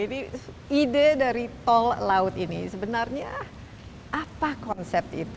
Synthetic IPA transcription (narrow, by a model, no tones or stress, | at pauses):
adi | idedaɾit̪ɔllaʊt̪inḭsəbənarɲa | ʔapakɔnsɛp̚t̪ḭt̪